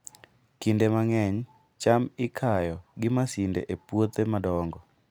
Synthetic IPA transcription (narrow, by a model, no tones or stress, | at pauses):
kindemaŋɛɲ | t͡ʃamɪkʰajɔɡɪmasindḛʔepwot̪emadɔŋɡɔ